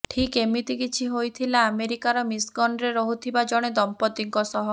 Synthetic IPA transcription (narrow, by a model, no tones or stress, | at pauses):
ʈʰikemit̪ikit͡ʃʰiɦojt̪ʰilaːmeɾikaɾɔmisɡɔnɾeɾɔɦut̪ʰibad͡ʒɔɽ̃ed̪ɔmpɔd̪iŋkɔsɔɦɔ